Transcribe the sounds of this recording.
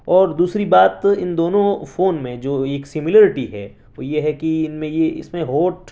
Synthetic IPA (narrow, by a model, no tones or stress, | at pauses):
ɔːɾd̪uːsɾibaːt̪ɪnd̪oːnõfoːnmẽd͡ʒoːeːksɪmɪləɾɪʈiɦɛ̰ | ʋoːjeɦɛkiɪnmẽjeɪ̰smẽɦoːʈ